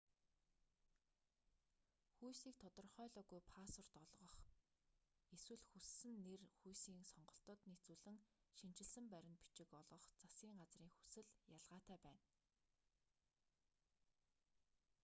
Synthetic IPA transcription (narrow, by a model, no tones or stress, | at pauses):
xujsiːk̚t̪ʰɔt̪ɞ̆rχœːɮɔːɣujpʰaːsɔr̥t̪ɔɮʁɞ̆χ | eswɘ̆ɮxusːɘ̆nːerxujsiːŋsɔɴɢɞ̆ɬt̪ɞ̆t̪net͡suːɮɘ̆ŋʃin̥t͡ɕɪ̆ɮsɘ̆mpæɾʲɪ̆npi̥t͡ɕɪ̆kɔɮʁɞ̆χt͡sasɡʲiːŋɢat͡sriːŋxu̥sɘ̆ɮjaɮʁaːt̪æːpæːn